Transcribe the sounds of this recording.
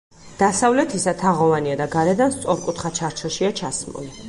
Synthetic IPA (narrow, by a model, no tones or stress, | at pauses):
d̪̥asavlɛt̪ʰisat̪ʰaʁɔvaniad̪aɡaɾɛd̪anst̪sʼɔɾkʼut̪ʰχat͡ʃʰaɾt͡ʃʰɔʃiat͡ʃʰasmṵli